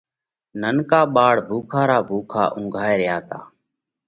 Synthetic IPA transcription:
nənkaːɓaːɽbʱuːkʰaːɾaːbʱuːkʰa̰ːʔʊ̃ŋɡʱaːeːɾɪjaːt̪aː

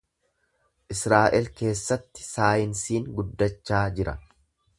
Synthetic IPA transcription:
ʔɪsɾaːʔɛlke̞ːsːɐt̪ːɪ̥saːjɪnsiːŋɡʊd̪ːɐt͡ʃːaːd͡ʒɪɾɐ̰

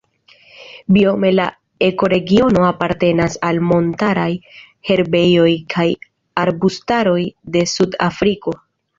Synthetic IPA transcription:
bio̞me̞la̰ | e̞ko̞ɾe̞ɡio̞no̞apaɾte̞nasalmo̞ntaɾaj | he̞ɾbe̞jo̞jkʰaj | aɾbustaɾo̞jde̞suda̰fɾiko̞

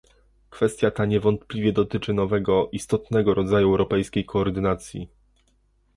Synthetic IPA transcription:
kfɛst̪ʲjat̪aɲɛvɔnt̪plʲivʲjɛd̪ɔt̪ɘt͡ʂɘnɔvɛɡɔʔist̪ɔt̪nɛɡɔɾɔd̪zajuɛwɾɔpɛjskʲejkʰɔːɾd̪ɘnat̪sʲjḭ

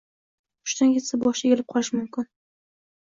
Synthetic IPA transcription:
ʊ̥ʃt̪anɡʲet̪sabɒʃeɡʲɪlɪp̚qʰɒlɪʃmʊmkʲɪn

